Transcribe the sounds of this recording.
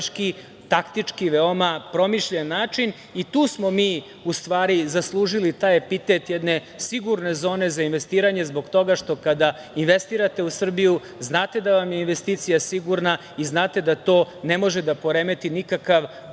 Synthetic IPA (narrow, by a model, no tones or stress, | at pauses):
ki | t̪akt̪it͡ʂkiʋeomapɾo̞miʃʎenːaːt͡ʂin | it̪uːsmo̞miː | ust̪ʋaːɾizaslˠuːʒilit̪aːjepit̪et̪jed̪ne̞ | siɡuɾne̞zo̞ːne̞zainʋe̞st̪iːɾaɲezbo̞ɡt̪o̞ɡaʃt̪o̞kad̪a | inʋest̪iɾat̪e̞usr̩biju | znaːt̪e̞d̪aʋamje̞inʋe̞st̪iːt̪sijasiɡuɾna | iznaːt̪ed̪at̪o̞ːne̞mo̞ʒed̪apo̞ɾeme̞t̪inikakaʋ